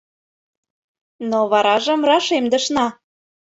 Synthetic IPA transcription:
noβɑɾɑʒə̆mrɑʃemd̪ə̆ʃnɑ

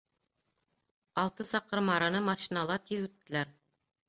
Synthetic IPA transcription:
ɑlˠt̪ɤsɑqɤɾmɑɾɑnɤmɑʃinɑlˠɑt̪iðʉt̪ːɘ̆læɾ

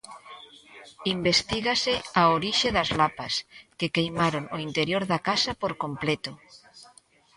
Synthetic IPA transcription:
imbest̪iɣaseaoɾiʃeðazlapaskekejmaɾonoint̪eɾjoɾðakasapoɾkomplet̪o

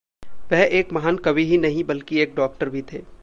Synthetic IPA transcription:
ʋɛɦeːkmɐɦankɐbʱiɦinɐɦĩbɐlkieːk̚ɖɔːk̚ʈəɾbʱit̪ʰeː

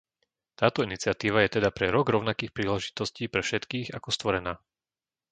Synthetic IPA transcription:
t̪aːt̪ɔinit͡sɪat̪iːʋajɛt̪ɛd̪apɾɛɾɔɡɾɔʊnakiːxpɾiːlɛʒit̪ɔsciːpɾɛfʃɛt̪kiːɣa̰kɔst̪ʋɔɾɛnaː

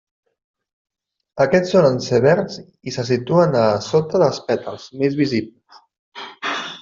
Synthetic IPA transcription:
əkɛt͡sːonənsəβɛɾnz | isəs̬it̪uənəsot̪əðəlˠspɛt̪əlˠz̥mezβizipləs

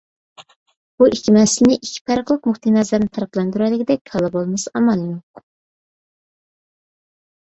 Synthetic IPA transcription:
b̥uʔikʲʰːimɛsɪlɪnɪʔikʲʰːi̥pʰɑɾəqlˠəqmuχt̪ʰinɛzæɾnɪt̪ʰɑɾəqlˠɑnd̪yɾɛlɪkʲid̪ɛkʲkʰɑlˠɑbolˠmɨsɑmɑlˠːɨnuq

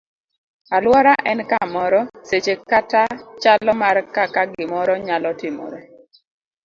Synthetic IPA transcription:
alwɔɾaʔɛnkamɔɾɔset͡ʃekatat͡ʃalɔmarkakaɡɪmɔɾɔɲalɔtɪmɔ̰ɾe

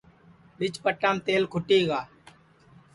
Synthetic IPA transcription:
ɓɪt͡ʃpəʈːaːmt̪eːlkʰʊʈeːɡaː

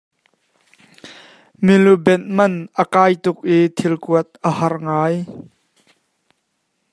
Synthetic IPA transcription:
milubɛn̚mɐnʔəkaːjt̪ʊk̚ʔit̪ʰilkuət̪̚ʔəhɐrŋaːj

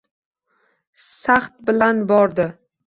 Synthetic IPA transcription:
saχt̪̚bɪlanbɒɾd̪ɪ

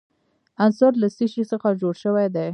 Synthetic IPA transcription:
ansʊɾlasiʃisəxad͡ʒoɽʃəwad̪e

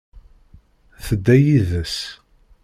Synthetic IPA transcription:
θəd̪ːæjiðəs

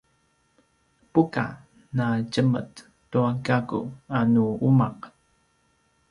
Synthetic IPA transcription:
puka̰ | naɟəmə̰t | tuaɡaɡṵanuumaq

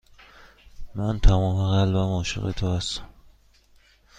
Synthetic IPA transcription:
mænt̪ʰæmɒːmeɣælbæmɒːʃḛɣḛt̪ʰohæst̪æ̥m

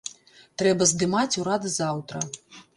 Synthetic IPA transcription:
t̪ɾɛbɐzd̪ɨmat͡sʲuɾad̪ɨzawt̪ɾɐ

